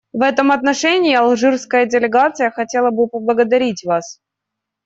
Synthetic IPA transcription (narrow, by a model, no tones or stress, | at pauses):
vɛt̪əmɐt̪nɐʂɛnʲɪːɪɐlˠʐɨrskəjədʲɪlʲɪɡat̪sɨjəxɐtʲelˠəbɨpəblˠəɡəd̪ɐɾʲitʲvas